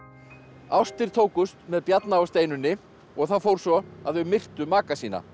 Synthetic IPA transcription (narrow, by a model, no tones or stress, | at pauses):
awst̪ɪɾ̥t̪ʰoːwkʏst̪mɛðpjat̪naawst̪eːjnʏnːɪ | ɔɣθaðfoːwɾ̥svɔaðvʏmɪr̥t̪ʏmaːkasiːna̰